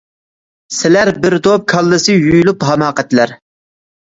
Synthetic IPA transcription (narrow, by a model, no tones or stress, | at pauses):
sɪlæɾbɪɾd̪op̚kʰɑlˠːɨsɨjyjlˠupɦɑmɑːqɛt̪læɾ